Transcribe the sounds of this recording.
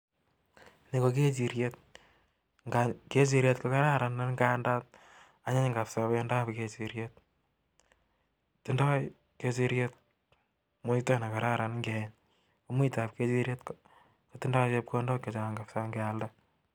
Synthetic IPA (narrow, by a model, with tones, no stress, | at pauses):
ni˨ko˨ke˦t͡ʃi˨ɾjet̚ | ŋɡake˦t͡ʃ̬i˦ɾje˦tkoka˦ɾa˦ɾa˨nːa˦nŋɡa˦nda˦t̚ | a˦ɲa˦ɲŋɡa˨psapjɔnda˦pke˨t͡ʃi˨ɾjet̚ | ti˦ndɔ˦ | ke˦t͡ʃi˦ɾjet̚ | mu˦itɔ˦na˨ka˨ɾa˦ɾa˨nŋɡɛn | o˦mu˦ta˨p̚ke˦t͡ʃiɾje˦tk | koti˦ndɔ˦t͡ʃe˦p̚ko˦ndɔ˦ke˨t͡ʃa˨a˨ŋɡa˨psa˦ŋɡɛ˨alda˦